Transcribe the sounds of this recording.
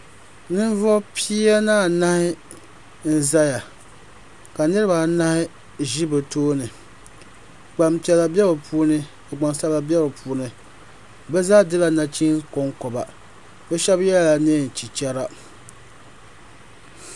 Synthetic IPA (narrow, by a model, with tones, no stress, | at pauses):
nɨ˦n˦vɔ˦pʰi˦a˦naː˦˨na˦hɪ˦ | n̩˦za˦ja˨ | ka˨nɨ˦ɾɨ˦ba˨na˦hɪ˦ | ʒi˦bɨ˨toː˦nɨ˨ | ɡ͡ba˨mpi˨ɛ˨la˨bɛ˦bɨ˨pʰuː˦nɨ˦ | a˨ɡ͡ba˨ŋsa˦la˨bɛ˦bɨ˨pʰuː˦nɨ˨ | bɛ˦zaː˦dɨ˦la˨na˨t͡ʃi˦ko˦ŋkɔ˨ba˨ | bɛ˦ʃɛ˦bjɛ˦la˨ne˦˨n̩˨t͡ʃi˨t͡ʃɛ˦ɾa˦